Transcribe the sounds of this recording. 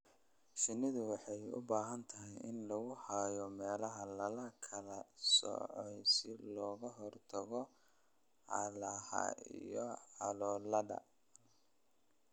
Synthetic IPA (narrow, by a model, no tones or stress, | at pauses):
sɪnɪðʊwɑħɑjʊ̰baːɦɐnt̪ʰɐɦɪjɪnlɐɣʊhaːjɔmɛːlɐɦɐlɐlɐkʰɐlɐsɔ̰ʕɔjsɪlɔːɣɐɦɔrt̪ʰɐɣɔ | ʕɑ̰lɐhɐ̰ḭjɔʕɑlɔːlɐdɐ̰